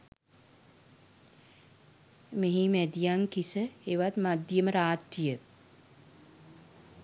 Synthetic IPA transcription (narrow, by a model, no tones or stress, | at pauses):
meɦimæd̪ijaŋkisəeʋat̪mad̪jəməɾaːt̪rijə